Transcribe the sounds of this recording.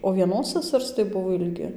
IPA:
oː ʋʲiɛˈnoːs sɐˈsɐrs tɐɪ ˈbʊʋoː ɪlʲˈɡʲɪ

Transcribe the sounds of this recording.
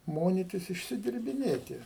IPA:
ˈmoːnʲɪtʲɪs ɪʃʲsʲɪdʲɪrʲbʲɪˈnʲeːtʲɪ

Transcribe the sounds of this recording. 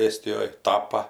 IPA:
ˈeːsʲtʲɪjoːj ˈtɑːpɐ

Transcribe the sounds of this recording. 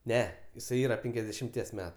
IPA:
ˈnʲɛ jɪˈsɐɪ ˈiːrɐ ˈpʲɛŋʲkʲɛzʲdʲɛʃʲɪmʲˌtʲiɛs ˈmʲæːtʊ

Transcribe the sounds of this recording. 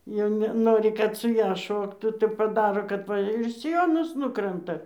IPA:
jɛʊ nʲɛˈnoːrʲɪ kɐt sʊ ˈjɛ ˈʃoːktuː tɐɪ pɐˈdɑːroː kɐt ˈʋɐ ɪr sʲɪˈjoːnɐs ˈnʊkrɐntɐ

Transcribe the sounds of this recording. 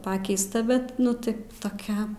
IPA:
ˈpɑːkʲɛɪstɐ ˈbʲɛt ˈnʊ ˈtɐɪ toːˈkʲɛ

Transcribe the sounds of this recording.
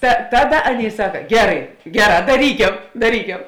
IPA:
tɐ ˈtɑːˌdɐ ˈɑːˌnʲeːɪ ˈsɑːkɐ ˈɡʲæːrɐɪ ˈɡʲæːˌrɑː dɐˈrʲiːkʲɛm dɐˈrʲiːkʲɛ

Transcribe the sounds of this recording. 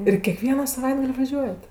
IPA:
ɪr kʲɛˈkʋʲiɛnɐ sɐˈʋɐɪdɡɐlʲ ʋɐˈʒʲuɔjɛt

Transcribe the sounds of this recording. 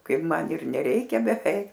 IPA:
ˈkɐɪp ˈmɐn ɪr nʲɛˈrʲɛɪkʲɛ bʲɛˈʋʲɛɪk

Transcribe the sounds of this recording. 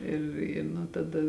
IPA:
ˈɪr ɪ nʊ tɐˈdɐ

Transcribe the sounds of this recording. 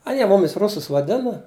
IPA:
ɐˈnʲiɛ ˈmʊmʲɪs ˈrʊsʊs ʋɐˈdʲɪnɐ

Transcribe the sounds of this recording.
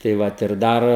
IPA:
tɐɪ ˈʋɐt ɪr ˈdɐr

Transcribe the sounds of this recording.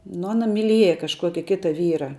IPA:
nʊ ˈɑːnɐ mʲɪˈlʲiɛjɛ kɐʃˈkuɔkʲɪ ˈkʲɪtɐ ˈʋʲiːrɐ

